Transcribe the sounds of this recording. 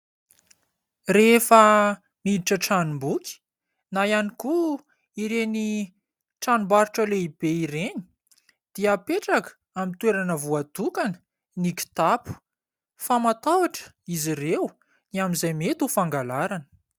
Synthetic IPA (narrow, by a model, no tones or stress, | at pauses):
refə | niliʈ͡ʂəʈ͡ʂanumbukʲi̥ | najaniku | iɾeni | ʈ͡ʂanumbaɾuʈ͡ʂəleibeiɾeni̥ | d̪̥iəpeʈ͡ʂakə̥ | amint̪weɾanəvuad̪̥ukanə | nikʲi̥t̪apu̥ | famat̪awaʈ͡ʂə̥ | izirew | niamizajmet̪ufaŋɡalaɾanə̥